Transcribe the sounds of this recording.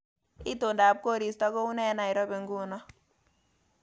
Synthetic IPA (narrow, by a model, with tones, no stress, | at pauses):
i˦to˨nda˨p̚ko˦ɾi˨stɔ˦ko˦u˦nɛ˦na˨i˨ɾɔ˦be˨ŋɡu˦nɔ˦